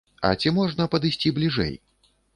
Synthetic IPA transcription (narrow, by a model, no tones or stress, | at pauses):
ɐ̰t͡sʲimɔʐnɐpɐd̪ɨsʲt͡sʲiblʲiʐɛ̰j